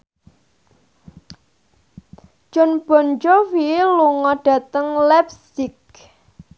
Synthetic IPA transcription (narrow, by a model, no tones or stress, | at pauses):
d͡ʒ̥ɔ̤nb̥ɔ̤nd͡ʒɔwiluŋɔɖ̥ä̤t̪əŋlɛp̚sɪk̚